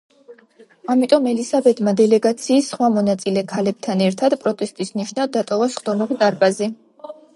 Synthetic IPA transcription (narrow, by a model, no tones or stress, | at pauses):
amit̪ʼɔmɛlisabɛd̪mad̪ɛlɛɡat̪sʰiːsχwamɔnat̪sʼilɛkʰalɛb̥̚t̪ʰanɛɾt̪ʰad̪pʼɾɔt̪ʼɛst̪ʼisniʃnad̪d̪ːat̪ʼɔvasχd̪ɔmaʁit̪ʼaɾbazi